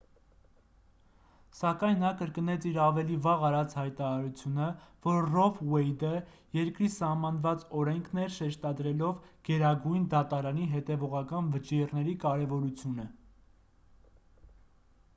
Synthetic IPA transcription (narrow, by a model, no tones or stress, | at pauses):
sɑkɑjnːɑkəɾkənɛt͡sʰiɾɑvɛlivɑʁɑɾɑt͡sʰhɑjt̪ɑɾɑɾut͡sʰjunəvɔɾrɔfwɛjd̪ə | jɛɾkɾisɑhmɑnvɑt͡sɔɾɛŋkʰnɛɾʃɛʃt̪ɑd̪ɾɛlɔvɡ̥ɛɾɑɡujnd̪ɑt̪ɑɾɑniɦɛt̪ɛvɔʁɑkɑnvət͡ʃirnɛɾikɑɾɛvɔɾut͡sʰjunə